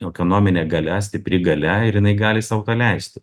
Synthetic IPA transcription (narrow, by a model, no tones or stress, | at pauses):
ɛkoːnoːmʲɪnʲeːɡɐlʲɛs̬ʲt̪ʲɪpʲɾʲɪɡɐlʲɛɪɾjɪnɐɪɡɑːlʲɪsɑːʊt̪ɐlʲɛɪsʲt̪ʲɪ